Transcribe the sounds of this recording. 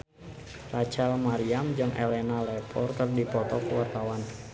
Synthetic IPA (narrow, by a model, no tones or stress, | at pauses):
rat͡ʃalmaɾiamd͡ʒɨŋʔḛlɛnalɛpʰɔrkərdipɔt̪ɔkuwart̪awan